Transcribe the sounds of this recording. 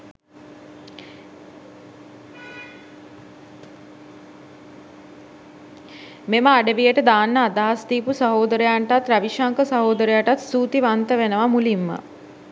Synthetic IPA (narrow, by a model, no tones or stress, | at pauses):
meməaɖəʋijəʈəd̪aːnːəad̪aɦast̪iːpusəɦoːd̪əɾəjaɳʈat̪ɾaʋiʃaŋkəsaɦoːd̪əɾəjaʈat̪suːt̪iʋant̪əʋenəʋamulimːə̰